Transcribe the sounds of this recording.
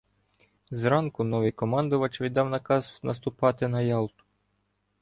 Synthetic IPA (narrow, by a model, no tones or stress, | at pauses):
zɾɑnkʊnɔʋɪjkɔmɑnd̪ʊʋɐt͡ʃʋʲid̪ːɑwnɐkɑznɐst̪ʊpɑt̪ɪnɐjɑlˠt̪ʊ̥